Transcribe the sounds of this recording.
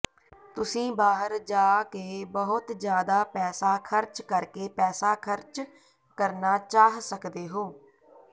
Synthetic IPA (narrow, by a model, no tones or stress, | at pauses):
t̪ʊsĩːbaːɦəɾd͡ʒaːkeːbəɦʊt̪d͡ʒjaːd̪aːpɛːsaːkʰəɾt͡ʃkəɾkeːpɛːsaːkʰəɾt͡ʃ | kəɾnaːt͡ʃaːɦsəkd̪eːɦoː